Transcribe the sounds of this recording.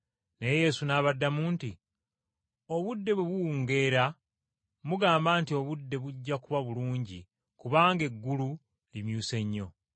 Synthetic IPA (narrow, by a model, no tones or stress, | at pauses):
ne̞jeje̞ːsunaːβadːamuːnti | o̞βudːe̞βwe̞βuuːŋɡe̞ːɾa | muɡaːmbaːntio̞βudːe̞βuɟːakuβaβuluːɲɟi | kuβaːŋɡe̞ɡːulu | limjuːse̞ɲːo̞